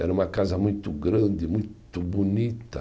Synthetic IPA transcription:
ɛ̰ɾɐũmɐkazɐmũj̃t̪ʊɡɾɐ̃nd̪ɪmũj̃t̪ʊbunit̪ɐ

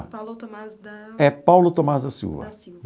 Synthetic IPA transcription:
ɛpawlʊt̪omazd̪ɐsḭwvɐ̰

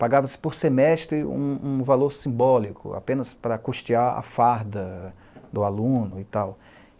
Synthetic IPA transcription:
paɡavɐsɪ̥poɾsemɛst̪ɾɪṵ̃ũvaloɾsĩbɔlikʰʊ̰a̰pẽnɐspɾɐkuʃt͡ʃiaɐ̰faɾd̪ɐ | d̪ʊalũnʊɪt̪aw

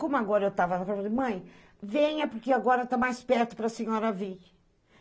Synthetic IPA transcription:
kõmʊaɡɔɾɐewt̪avɐnɐkaɾvɾɐd̪ɪmɐ̃j̃ | vẽɲɐpʊɾkeaɡɔɾɐt̪amajspɛɾt̪ʊ̥pɾɐsẽɲɔɾɐvi

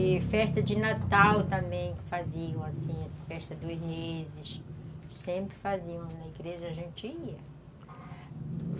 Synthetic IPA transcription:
ɪfɛʃt̪ɐd͡ʒɪnat̪awt̪ɐ̃mbẽj̃faziɐ̃w̃asĩfɛʃt̪ɐd̪ozmezɪʃsẽmpɾɪfaziɐ̃w̃nɐiɡɾeʒɐaʒẽnt͡ʃiiɐ

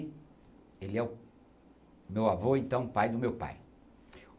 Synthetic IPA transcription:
elɪɛʊ | mewavoẽnt̪ɐ̃w̃pajd̪ʊmewpa̰j

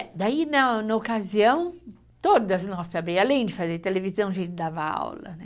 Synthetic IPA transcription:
d̪ainɐnɐokaziɐ̃w̃ | t̪od̪ɐznɔsabejalẽj̃d͡ʒɪfazeɾt̪elevizɐ̃w̃ʒẽjt͡ʃɪd̪avɐa̰wlɐ̰nɛ

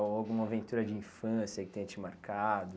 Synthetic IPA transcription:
awɡũmɐavẽnt̪uɾɐd͡ʒɪĩfɐ̃sjɐkɪ̥t̪ẽj̃t͡ʃimaɾkʰad̪ʊ

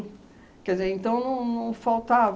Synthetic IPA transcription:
kɛɾd̪izeɾẽnt̪ɐ̃w̃nɐ̃w̃nɐ̃w̃fawt̪av

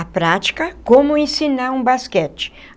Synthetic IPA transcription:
ɐpɾat͡ʃi̥kɐkõmʊẽsinaɾũbaskɛt͡ʃɪ̥

